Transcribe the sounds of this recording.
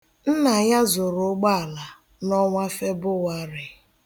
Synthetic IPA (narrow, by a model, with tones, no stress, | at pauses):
n̩˦na˨ja˦zʊ˨ɾʊ˨˦ɡ͡ba˦a˨la˨ | nɔ˦ŋʷa˦fe˦bʊ˦wa˦ɾɪ˨